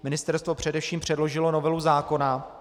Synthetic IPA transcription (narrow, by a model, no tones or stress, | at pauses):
mɪnɪst̪ɛɾst̪vo̞pr̝̥ɛdɛfʃiːmpr̝̥ɛdlo̞ʒɪlo̞no̞vɛluzaːko̞na